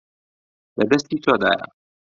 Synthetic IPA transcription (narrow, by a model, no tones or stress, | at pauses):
lɐd̪ɐst̪iːt̪ʰoːd̪a̰ːjɐ̰a̰